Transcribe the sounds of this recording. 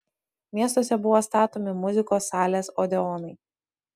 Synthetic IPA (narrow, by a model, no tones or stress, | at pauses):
mʲiɛst̪oːsʲɛbʊʋoːst̪ɑːt̪oːmʲɪmʊzʲɪkoːsːɑːlʲeːsɔːd̪ʲɛɔːnɐɪ